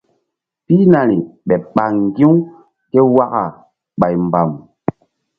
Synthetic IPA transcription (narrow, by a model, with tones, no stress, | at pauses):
pi˦na˨ɾi˨ɓɛ˨ɓa˨ŋŋɡi˦w | ke˦wa˦ka˨ | ɓa˨jmba˨m